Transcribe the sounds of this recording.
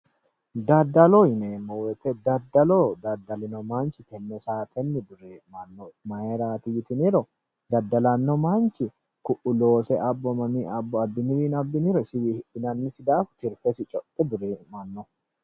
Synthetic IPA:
d̪ɐd̪ːɐlɔjɪneːmɔwɛt̪ɛd̪ɐd̪ːɐlod̪ɐd̪ːɐlɪnɔmant͡ʃɪt̪ɛnːɛsaːt̪ʰɛnːɪd̪ʊɾeːmɐnːɔmɐheɾaːt̪ɪjɪt̪ɪniɾɔ | d̪ɐd̪ːɐlɐnːɔmant͡ʃːɪ | kʊʔʊlo̞ːsɛʔɐbːɔmɐmiɐbːɔɐd̪ːʊnɪwiːnɐbːɪniɾɔsɪwihɪʔɪnɐnːɪsɪd̪aːft̪ɪɾfɛsɪt͡ʃʼɔt̪ʼːɛd̪ʊɾeːmɐnːɔ

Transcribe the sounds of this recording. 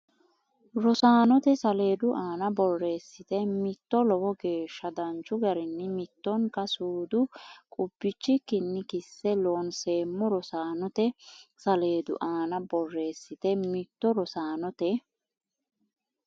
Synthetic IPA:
ɾɔsaːnɔt̪ɛsɐle̞ːd̪ʊʔaːnɐbɔrːe̞ːsːɪt̪ɛmɪt̪ːɔlɔwɔɡe̞ːʃːɐd̪ɐnt͡ʃːʊɡɐɾɪnːɪmɪt̪ːɔŋkɐsuːd̪ʊkʼʊb̥ːɪt͡ʃːɪkɪnːɪkɪsːɛloːnse̞ːmːɔɾɔsaːnɔt̪ɛsɐle̞ːd̪ʊ̰ʔaːnɐbɔrːe̞ːsːɪt̪ɛmɪt̪ːɔɾɔsaːnɔt̪ɛ

